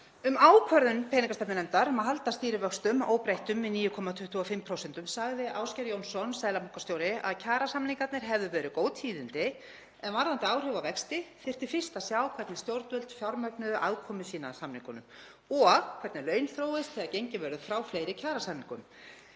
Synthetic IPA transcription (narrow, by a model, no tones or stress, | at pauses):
ʏmaːwkʰvœɾðʏmpʰɛːniŋkast̪ɛpnɪnɛmt̪aɾmaɦal̪t̪ast̪iːɾɪvœkst̪ʏmo̰ːwpɾejht̪ʏmvɪðniːjʏkʰɔmat̪ʰʏht̪ʰuɔfɪmpʰɾowsɛnt̪ʏmsaɣðɪʔaːwscɛɾjownsɔnsɛːðlamɔŋkast̪joːwɾɪa̰ðcʰaːɾasamniŋkat̪nɪɾ̥ɦɛvðʏvɛːɾʏkoːwt̪hiːðɪnt̪ɪ | ɛnvaɾðant̪ɪaːwr̥ʏvavɛkst̪ɪθɪr̥t̪ɪfɪr̥st̪asjaːwkʰvɛɾt̪nɪst̪jowɾt̪ʏlt̪fjawɾmœknʏðʔaðkʰɔːmʏsiːnasamniŋkʏnʏm | ɔɣkʰvɛɾt̪nɪlœːɥnθɾoːwɪst̪θɛðacejɲcɪvɛːɾðʏfɾawflejɾɪcʰaːɾasamniŋkʏ̰m